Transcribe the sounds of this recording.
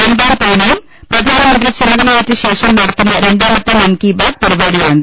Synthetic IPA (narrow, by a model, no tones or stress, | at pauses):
ɾeɳɖaːmt̪ɐjnɐjum | prɐd̪ʱaːnɐmɐnd̪rit͡ɕenɐðɐleːtːɨɕe̞ːʂɐmnɐɽɐt̪ːinːɐɾe̞ɳɖaːmɐt̪ːɨmɐnkibaːɡ̚pɐɾibaːɽijaːuɳɖɨ